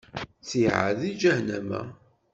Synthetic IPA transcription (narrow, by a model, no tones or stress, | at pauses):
t͡sːiʕa̰ðid͡ʒæhnæmæ̰